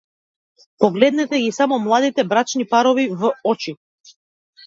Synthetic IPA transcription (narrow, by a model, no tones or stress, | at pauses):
pɔɡlɛd̪nɛt̪ɛɡisamɔmlˠad̪it̪ɛbɾat͡ʃnipaɾɔvivɔt͡ʃi